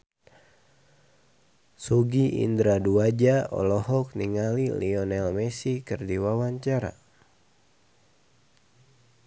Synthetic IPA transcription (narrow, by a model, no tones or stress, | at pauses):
suɡiʔḭndɾaduad͡ʒaɔ̰lɔhɔk̚niŋaliliɔnɛlmɛsikɨrdiwawaɲt͡ʃaɾa̰